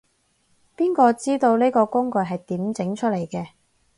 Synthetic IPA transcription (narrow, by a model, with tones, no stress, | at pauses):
piː˥nkɔː˧t͡siː˥t̪o˧wne˥jkɔː˧kʊ˥ŋkɵ˨˧ɦɐ˨jt̪iː˨˥mt͡sɪ˨˥ŋt͡ʃʰɵ˥t̚le˨˩jkɛː˧